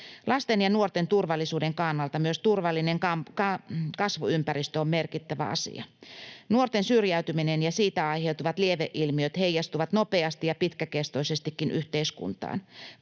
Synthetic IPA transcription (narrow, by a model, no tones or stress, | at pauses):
lʔɑst̪enjɑnuort̪ent̪urʋɑlːisuːdeŋkɑnːɑlt̪ɑmyøst̪urʋɑlːineŋkɑkɑkɑsʋuympæɾist̪øommerkit̪ːæʋæ̰ɑ̰sḭɑ̰nuort̪ensyrjæyt̪yminenjɑsiːt̪æɑiheut̪uʋɑt̪lieʋeʔilmiøt̪heijɑst̪uʋɑt̪nopeɑst̪ijɑpit̪kækest̪oisest̪ikːinʔyht̪eiskṵnt̪ɑ̰ːn